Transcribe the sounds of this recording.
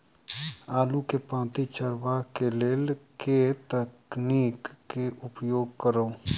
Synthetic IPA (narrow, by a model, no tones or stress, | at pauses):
aːlukepãːt̪it͡ʃəɾʋakeleːlket̪əkniːkːeʔʊpjoːɡ̚kəɾo